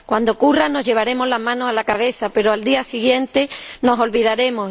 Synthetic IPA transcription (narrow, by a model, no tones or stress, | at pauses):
kwand̪o̞kurano̞zɦʎe̞β̞aɾe̞moɦlamãnoalakaβ̞e̞θape̞ɾoald̪iasiɣ̞je̞nt̪e̞no̞so̞lβiðaɾe̞mo